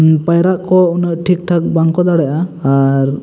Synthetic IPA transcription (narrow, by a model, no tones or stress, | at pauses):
pajɾaʔkɔunəʔʈʰik̚ʈʰak̚baŋkɔd̪aɽɛʔaːɾ